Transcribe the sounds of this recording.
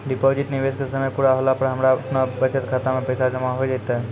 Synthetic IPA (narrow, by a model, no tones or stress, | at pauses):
ɖɪpoːd͡ʒɪʈnɪʋeskesəməjpuːɽaɦolapəɾɦəmɾaɐpnabət͡ʃət̪kʰaːt̪amẽpəjsad͡ʒəmaɦojd͡ʒat̪aɦɛ